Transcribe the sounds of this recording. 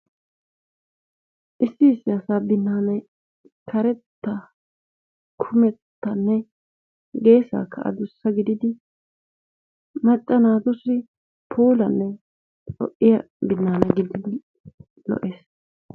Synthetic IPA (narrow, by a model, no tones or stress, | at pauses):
ʔɪsːɪːsːɪɐsaːbɪnːaːnɐj | kʰɐɾɛt̪ːɐ | kʰʊmɛt̪ːɐnːɛ | ɡe̞ːsa̰ːkʰːɐɐ̰d̪ʊsːɐɡɪd̪ɪd̪ɪ | mɐt͡ʃʼːɐnaːd̪ʊsːɪ | pʰuːlɐnːɛ | t͡sʼɔ̰ʔːɪjɐ | bɪnːaːnɐɡɪd̪ɪd̪ɪ | lɔ̰ʔeːs